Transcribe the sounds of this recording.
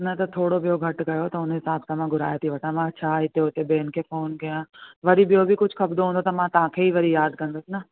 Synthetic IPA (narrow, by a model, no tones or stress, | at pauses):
nɐt̪ɐt̪ʰoːɽobijoɡʱɐʈɡɐjot̪ɐʊnɦɪsaːbsãmãɡʱʊɾa̰ːjet̪ʰiʋɐʈʰãmãɐtːʃʰaɪt̪eʊt̪ebeːnkʰefoːnɡɐjãːʋɐɾibijobʱikʊt͡ʃʰkɐbd̪oɦũːnd̪ot̪ɐmãt̪ɐʋ̤ãːkʰeiʋɐɾijaːd̪̚kɐ̃nd̪oːsinɐ